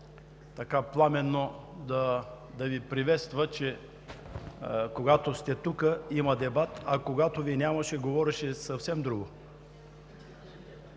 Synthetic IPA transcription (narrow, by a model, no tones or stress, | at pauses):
t̪ɐkaplˠamɛnːod̪ɐ | d̪ɐvipɾivɛt̪st̪vət͡ʃɛ | koɡat̪ost̪ɛt̪ukəimɐd̪ɛbat̪ɐkoɡat̪ovinʲamɐʃɛɡovɔɾɛʃɛsɐfsɛmd̪ɾuɡo